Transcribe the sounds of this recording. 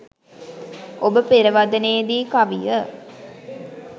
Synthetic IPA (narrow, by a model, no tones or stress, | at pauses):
ʔobəpeɾəʋad̪ɐneːd̪iːkaʋijə